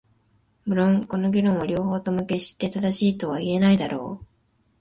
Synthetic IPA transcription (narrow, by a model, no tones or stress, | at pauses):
bɯ̟ɾõ̞ŋko̞no̞ɡʲiɾõ̞ɰ̃oɾʲo̞ːho̞ːt̪o̞mɯ̟ke̞ɕi̥t̪ːe̞t̪ad̪aɕiːt̪o̞βaie̞naid̪aɾo̞̰ː